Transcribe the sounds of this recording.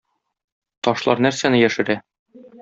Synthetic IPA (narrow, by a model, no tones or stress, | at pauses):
t̪ɒʃlˠɑɾnæɾsænɘjæʃɘ̆ɾæ